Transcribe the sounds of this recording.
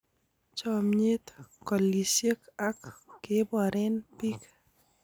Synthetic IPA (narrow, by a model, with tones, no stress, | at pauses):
t͡ʃɔ˨mɲe˦t̪kɔ˨li˨sjə˦ka˦kːɪ˦bɔ˨ɾɪ˦npi˦k